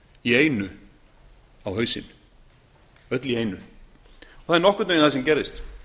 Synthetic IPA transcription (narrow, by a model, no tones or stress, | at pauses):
ieːjnʏ | awhœːɥsɪ̰n | œt̪lieːjnʏ | ɔθaðɾnɔhkʏt̪ejnθasɛmcɛɾðɪst̪